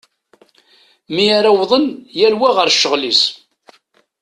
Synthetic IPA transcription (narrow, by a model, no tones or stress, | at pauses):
miaɾawðˤənjælwæʁəɾʃːəʁlis